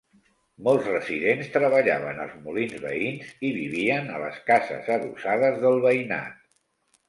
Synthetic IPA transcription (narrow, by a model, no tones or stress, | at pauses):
molˠzrəsiðenst̪ɾəβəʎaβənə̰lˠzmulinzβə̰inziβiβiənələ̰skazə̰zəðusaðəzðəlˠβəina̰t̪̚